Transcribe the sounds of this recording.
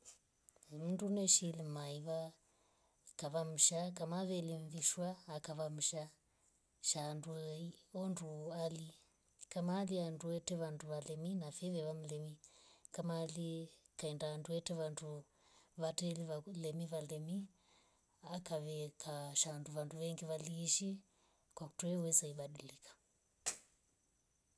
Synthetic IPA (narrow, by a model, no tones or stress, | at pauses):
m̩ndunɛʃilimaiβa | kaβamuʃakamaβɛlimviʃwaːkaβamuʃa | ʃanduiɔnduali | kamalianduɛtɛʋanduʋalɛminafɛʋɛʋamulɛmikamaːlikaɛndaːnduɛtɛʋandu | βatɛliʋalɛmiβalɛmi | akaβɛkʰaʃanduʋanduʋɛŋɡiʋaliːʃi | kwaku̥tuɛwɛzaiɓaɗilikḁ